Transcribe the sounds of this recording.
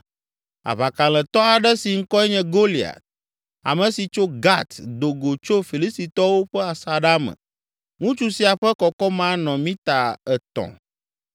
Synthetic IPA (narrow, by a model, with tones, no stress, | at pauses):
a̰˨βa˨ka˨l̃ɛ̃˨t̪ɔ˦a˨ɖɛ˦si˨ŋ̩˦kɔ˦ɛ˦ɲɛ̃˦ɡo˦li˨a̰˨t̪̚ | a̰˨mɛ̃˨si˨t͡ʃo˦ɡa˦t̪d̪o˨ɡo˨t͡ʃo˦fi˨li˦st̪i˨t̪ɔ˦wo˦ɸɛ˦a˨sa˨ɖa˦mɛ̰̃˨ | ŋũ˦t͡ʃu˦si˨a˨ɸɛ˦kɔ˨kɔ˦mã˦nɔ̃˨mĩ˦t̪a˨ɛ˨t̪ɔ̰̃˨